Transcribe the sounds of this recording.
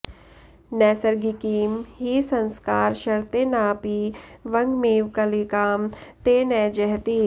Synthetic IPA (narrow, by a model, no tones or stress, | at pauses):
nɛːsəɾɡikiːmɦisɐ̃nskaːɾʃɐɾt̪eːnaːpiʋɐ̃ŋɡmeːʋkalikaːmt̪eːnɛːd͡ʒɛɦt̪iː